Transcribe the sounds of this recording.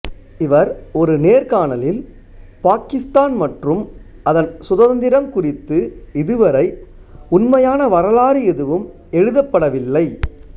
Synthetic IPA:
ɪʋɐɾɔɾɯneːɾkaːɳɐlɪl | paːkɪst̪aːnmɐʈrɯm | ɐðɐnsʊðɐnd̪ɪɾɐmkʊrɪt̪ːɯɪðɯʋɐɾɐɪ | ʊnmɐjaːnɐʋɐɾɐlaːɾɯɛðɯʋɯm | ɛɻɯðɐpːɐɽɐʋɪlːɐɪ

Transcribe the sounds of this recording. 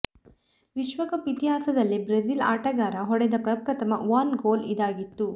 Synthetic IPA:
ʋiʃʋɐkɐpit̪iɦaːsɐd̪ɐlːibɾezila̰ːʈɐɡaːɾɐɦɔɽɛd̪ɐpɾɐpɾɐt̪ɐmɐʋɐːnɡoːlid̪aːɡit̪ːu

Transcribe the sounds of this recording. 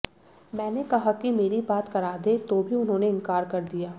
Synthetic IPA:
mɛ̃ːnekɐɦakimeːɾibaːt̪kɐɾaːd̪et̪oːbʱiʊnɦõːneɪ̃ŋkaːɾkɐɾd̪ijaː

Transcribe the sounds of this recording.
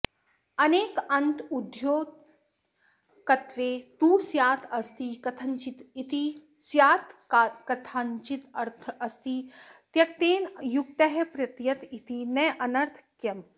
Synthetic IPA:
ɐneːkɐnt̪ud̪ʱjoː | kɐt̪ʋeːt̪uːsjaːt̪ʰɐst̪ikɐt̪ʰɐnt͡ʃit̪it̪i | sjaːt̪ʰːkɐt̪ʰant͡ʃit̪ɐɾt̪ʰɐst̪it̪jɐk̚t̪eːnjuk̚t̪ɐɦepɾɐt̪jɐt̪it̪ʰinɛʔɐnɐɾt̪ʰkjɐm

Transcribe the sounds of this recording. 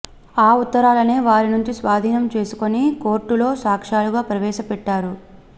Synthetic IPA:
aːut̪ːɐɾaːlɐne̞ːʋaːɾinuɲt͡ʃisʋaːd̪ʱiːnɐmt͡ʃe̞ːsu̥koniko̞ːɾʈːulo̞ːsaːkʂaːluɡaːpɾɐʋɛːʃɐpɛʈːaːɾu

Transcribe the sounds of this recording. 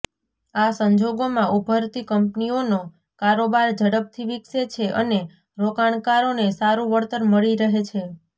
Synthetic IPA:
asəɲd͡ʒoɡomãʔubʱəɾt̪ikəmpniono | kaɾobaɾd͡ʒəɽəb̚t̪ʰiʋikset͡ʃʰeʔə̰ne | ɾokaɳkaɾonesaɾũʋəɾt̪ənməɭiɾəɦet͡ʃʰe

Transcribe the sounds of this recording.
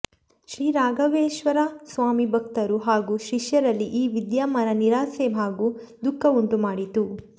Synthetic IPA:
ʃɾiːɾaːɡɐʋeːʃʋɐɾasʋaːmibʱɐk̚t̪ɐɾuɦaːɡuːʃiʃjɐɾɐlːiʔiːʋid̪jaːmɐnɐniɾaːseːbʱaːɡuːd̪ukʰːɐuɳʈumaːɽit̪u

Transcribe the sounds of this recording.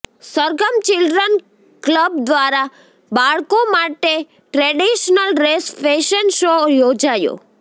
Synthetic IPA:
səɾɡəmt͡ʃɪlɖɾən | kləbd̪ʋaɾa | baɭkomaʈe | ʈɾeɖiʃnəlɾesfeʃənʃojod͡ʒajo̰

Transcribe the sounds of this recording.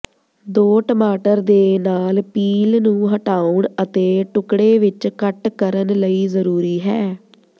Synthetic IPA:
d̪oːʈəmaːʈəɾd̪eːnaːlpiːlnũːɦəʈaːʊɳət̪eːʈʊkɽeːʋɪt͡ʃkəʈkəɾənləiːzəɾuːɾiːɦɛː

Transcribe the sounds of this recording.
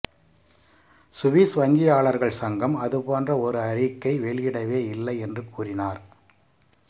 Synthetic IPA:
sʊʋiːsʋɐŋɡɪjaːɭɐɾɣɐɭsɐŋɡɐmɐðɯpoːndrɐɔɾɯɐɾɪkːɐɪʋɛɭjɪɽɐʋeːɪlːɐɪɛndrɯkuːrɪnaːɾ

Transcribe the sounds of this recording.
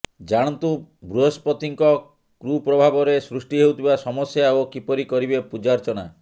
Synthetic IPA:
d͡ʒaɽ̃ɔnt̪ubɾuɦɔspɔt̪iŋkɔ | kɾupɾɔbʱabɔɾesɾusʈiɦewt̪ʰibasɔmɔsjaokipɔɾikɔɾibepud͡ʒaɾt͡ʃɔna̰

